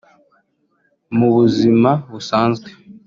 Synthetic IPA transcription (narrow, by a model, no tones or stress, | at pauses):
muβuzimaβusaːnzɡwe